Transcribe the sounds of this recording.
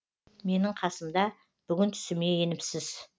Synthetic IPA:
me̞nɪɴqʰɑsəmd̪ɑ | b̥ʏɡʲɪnt̪ʰʏ̥sɪme̞je̞nɪpsɪz̥

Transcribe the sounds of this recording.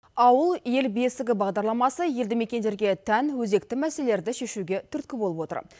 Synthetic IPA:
ɑwəlˠje̞lbe̞sɪɡʲɪbɑʁd̪ɑɾlˠɑmɑsəje̞ld̪ɪme̞kʲe̞nd̪e̞ɾɡʲe̞t̪ʰænwɵze̞k̚t̪ɪmæselele̞ɾd̪ɪʃe̞ʃuɡʲe̞t̪ʰʏɾt̪̚kʲɪbo̞lˠəpwo̞t̪ə̰ɾ

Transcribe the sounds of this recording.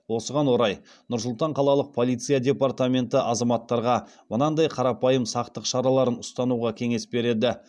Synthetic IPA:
wo̞səʁɑnwo̞ɾɑj | nʊɾs̬ʊlˠt̪ɑɴqʰɑlˠɑlˠəq̚pʰo̞lˠijt̪sɨjadʲe̞part̪amʲe̞nt̪ɪʔɑzɑmɑt̪ːɑɾʁɑ | mənɑnd̪ɑjqʰɑɾɑpɑjəmsɑqt̪əqʃɑɾɑlˠɑɾənʊst̪ɑnuʁɑkʲʰe̞ŋe̞sbe̞ɾe̞d̪ɪ

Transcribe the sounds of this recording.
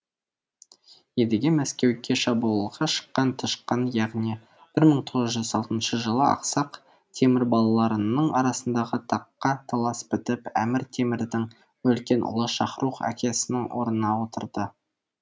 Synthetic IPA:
jed̪eɡʲemæskʲe̞wkʲe̞ʃɑbulˠəʁɑʃə̥qːɑnt̪ʰəʃqənjɑʁni | b̥ɪɾməɴt̪ʰo̞ʁəzʒʏzɑlˠt̪ənʃəʒəlˠəɑ̰qsɑq | t̪ʰe̞mɪɾbɑlˠɑlˠɑɾənəɴɑɾɑsənd̪ɑʁət̪ʰɑqːɑt̪ʰɑlˠɑsbɪt̪ɪpæmɪɾt̪ʰe̞mɪɾd̪ɪŋ | wɵlkʲe̞nʔʊ̰lˠəʃɑ̰χɾuqæ̰kʲʰe̞sɪnɪŋwo̞ɾnnɑwot̪əɾd̪ə

